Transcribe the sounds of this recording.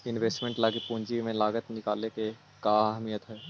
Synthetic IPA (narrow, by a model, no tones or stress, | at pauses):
ɪnʋeːsʈmẽɳʈlaːɡipũːɲd͡ʒimẽlaːɡət̪nɪkaːleke | kaːaɦmijət̪ɦɛː